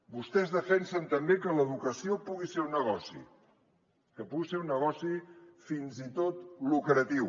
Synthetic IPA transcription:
bust̪ɛzðəfɛnsənt̪əmbekələðukəsiopuɣiseɾunːəɣɔsḭ | kəpuɣiseɾunːəɣɔsifinzit̪ot̪lukəɾət̪iw

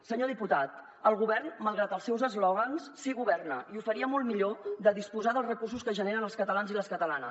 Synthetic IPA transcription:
səɲoðiput̪at̪ | əlˠɣuβɛrnməlˠɣɾat̪əlˠsɛwzəzlɔɣ̞ənssiɣuβɛrnə̰ʔiufəɾiəmɔlˠmiʎoðəðispuzaðəlˠzrəkursuskəʒəneɾənəlˠskət̪əlanziləskət̪əlanəs

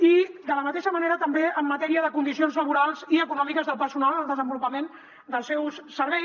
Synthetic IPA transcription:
id̪ələmət̪eʃəməneɾət̪əmbeəmːət̪ɛɾiəðəkund̪isionzləβ̞uɾalˠziəkunɔmikəzðəlˠpəɾsunalˠəlˠd̪əzəmbulupəmen | d̪əlˠsɛwssəɾβɛ

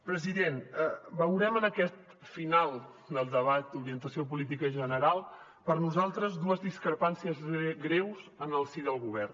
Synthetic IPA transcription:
pɾəziðenbəwɾɛmənəkɛt̪ | finalˠ | d̪əlˠd̪əβat̪̚d̪uɾiənt̪əsiop̬ulit̪̬ikəʒənəɾalˠ | pəɾnuzalˠt̪ɾəzd̪uəzðiskɾəpansiəzɣɾewzənəlˠsid̪əlˠɣuβ̞ɛrn

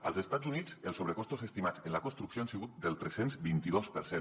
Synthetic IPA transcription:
əlˠzest̪ad͡zunid͡zəlˠsoβɾəkɔst̪ozest̪imat͡senləkonst̪ɾuksioansiɣut̪̚d̪əlˠt̪ɾesenzbint̪iðospəɾsen

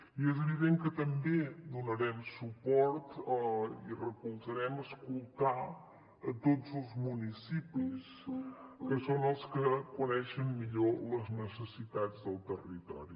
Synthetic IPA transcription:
iɛzəβiðeŋkət̪əmbed̪unəɾɛmsupɔɾt̪ | irəkulˠzəɾɛməskulˠt̪a | ət̪od͡zəlˠzmunisipis | kəsonəlˠskəkunɛʃəmːiʎoləznəsəsit̪ad͡zðəlˠt̪ərit̪ɔ̰ɾi

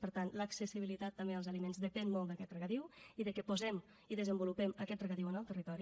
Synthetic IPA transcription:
pəɾt̪anləksəsiβilit̪at̪ːəmbeəlˠzəlimenzdəpɛnmɔlˠd̪əkɛt̪rəɣət̪iwiðəkəpuzɛm | iðəzəmbulupɛməkɛt̪rəɣət̪iwənəlˠt̪ərit̪ɔɾi

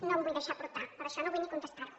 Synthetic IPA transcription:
nɐ̃bojðejʃaɾpɾut̪aɾpɐɾɐʃɔnɐ̃wvojnikõnt̪est̪aɾ

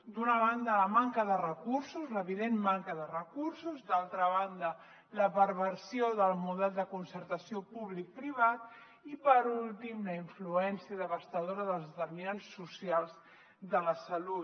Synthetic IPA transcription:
d̪unəβand̪ələmaŋkəðərəkuɾsuzləβiðenmaŋkəðərəkuɾsuzd̪alˠt̪ɾəβand̪ə | ləpəɾβəɾsioðəlˠmuðɛlˠd̪əkunsəɾt̪əsiopuβlik̚pɾiβ̞at̪ | ipəɾulˠt̪imləiɱfluɛnsiəðəβəst̪əðoɾəðəlˠzt̪əɾminansːusjalˠz | ðələsəlut̪

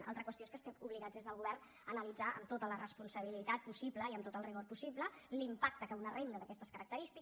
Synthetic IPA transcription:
ʔa̰lˠt̪ɾəkwəst̪oeskəst̪ɛmuβliɣad͡zðezðəlˠɣuβɛrn | ənəlid͡zaʔə̰mt̪ot̪ələrəspunsəβ̞ilit̪at̪̚pusibləiəmt̪ot̪əlˠriɣoɾpusipləlimpak̚t̪əkəunərend̪əðəkɛst̪əskəɾək̚t̪əɾist̪i

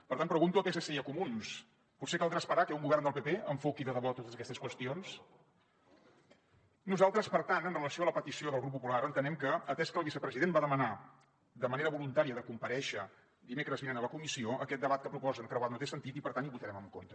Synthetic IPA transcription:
pəɾt̪anpɾəɣunt̪uokesəsejəkumuns | put̪sekalˠd̪ɾaspəɾakɛuŋɡuβɛrnd̪əlˠpepeəɱfokiðəðəβɔt̪ot̪əzəkɛst̪əskwəst̪ions | nuzalˠt̪ɾəspəɾt̪anənrələsioələpət̪isioðəlˠɣɾupːupulaɾənt̪ənɛmkəət̪ɛskəlˠβisəpɾəziðenbaðəməna | d̪əməneɾəβulunt̪aɾiəðəkumpəɾɛʃə | d̪imekɾəzβinenələkumisioʔəkɛt̪̚d̪əβat̪̚kəpɾupɔzənkɾəwat̪not̪esənt̪it̪ipəɾt̪aniβut̪əɾɛməŋkont̪ə

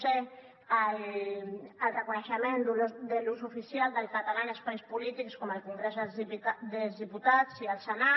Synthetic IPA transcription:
e | al | alrekuneʃamẽnd̪uld̪elusufisjald̪elkat̪alanespajspulit̪ikskomalkuŋɡɾeselziad̪elzðiput̪at̪sialsena

